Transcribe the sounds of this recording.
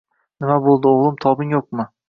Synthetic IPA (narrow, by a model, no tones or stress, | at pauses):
nɪmabolˠd̪ɪoʁlˠɪmt̪ʰɒbɪŋjoq̚mɪ